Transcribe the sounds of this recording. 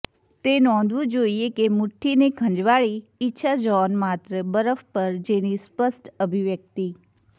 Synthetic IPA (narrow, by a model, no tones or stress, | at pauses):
t̪eːnɔ̃ːnd̪ʋũd͡ʒoːiekemʊʈʰːinekʰə̃ɲd͡ʒʋaːɭiɪtːʃʰad͡ʒɔːnmaːt̪ɾəbəɾəfpɐɾd͡ʒẽːñispəsʈəbʱiʋjək̚t̪iː